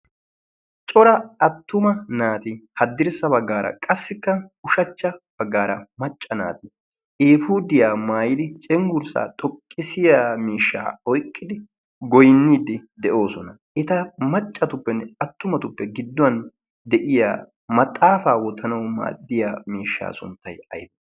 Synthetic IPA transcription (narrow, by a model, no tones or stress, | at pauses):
t͡ʃʼɔɾɐɐt̪ːʊmɐnaːt̪ɪhɐd̪ːɪɾsɐbɐɡːaːɾʔɐ̰kʼɐsːɪkːɐʊʃɐt͡ʃːɐb̥ɐɡːaːɾɐmɐt͡ʃʼːɐna̰ːt̪ɪ | eːfuːd̪ɪjaːmaːjɪd̪ɪt͡ʃʼɛŋɡʊɾsa̰ːt̪ʼɔkʼːɪsɪjaːmiːʃːa̰ːɔjkʼːɪd̪ɪ | ɡɔjnːiːd̪ɪd̪ɛʔo̞ːsɔnɐ | ʔɛt̪ɐmɐt͡ʃʼːɐt̪ʊpːɛnːɛɐt̪ːʊmɐt̪ʊpːɛɡɪd̪ːʊɐn | d̪ɛʔɪja̰ː | mɐt̪ʼːaːfaːwɔt̪ːɐnɐwma̰ːd̪ːɪjaːmiːʃːa̰ːsʊ̰nt̪ːɐjɐ̰jb